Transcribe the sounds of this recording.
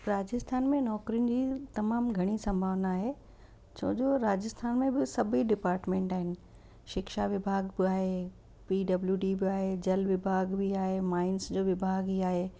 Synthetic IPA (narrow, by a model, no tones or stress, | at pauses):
ɾaːd͡ʑəst̪ʰaːnmẽnɔːkɾijʊnɪ̆d͡ʑiːt̪ɐmaːmɡʱɐɽ̃isɐ̃mbʱaːʋnaːɦe | t͡ɕʰo̰ːd͡ʑoɾaːd͡ʑəst̪ʰaːnmẽbɪsɐbʱiɖɪpaːɾʈmẽːɳʈaːɦɪnɪ̆ | ʃɪkʃaʋɪbʱaːɡbɪaːɦe | piːɖɐbljuɖibɪaːɦed͡ʑɐlʋɪbʱaːɡbiaːɦemaːɪnsd͡ʑoːʋɪbʱaːɡɦiːaːɦeː